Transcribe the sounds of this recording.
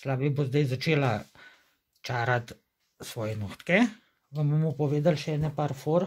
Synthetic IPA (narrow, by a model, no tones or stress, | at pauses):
slaːbibozd̪ajzat͡ʃeːla | t͡ʃaːɾat̪ | sʋɔːjɛnuxt̪kɛ | ɡabomɔpɔʋeːd̪alʃɛɛːnɛpaɾfoːɾ